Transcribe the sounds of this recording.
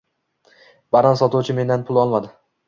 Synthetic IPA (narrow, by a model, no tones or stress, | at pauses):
b̥aɾansɒt̪uwt͡ʃʰɪme̞nd̪anpʰʊlˠɒlˠmad̪ɪ